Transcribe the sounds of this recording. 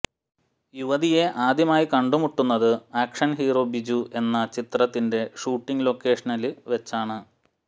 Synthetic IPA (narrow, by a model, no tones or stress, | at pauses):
juʋɐðije̞ʔaːd̪jɐmaːjikɐɳɖumuʈːunːɐðɨaːkʂɐnɦiːro̞ːbid͡ʑuʔe̞nːɐt͡ɕit̪rɐt̪ːinde̞ʂuːʈːiŋlo̞ːkːe̞ːʂɐnɐlɨʋe̞t͡ɕːaːɳɨ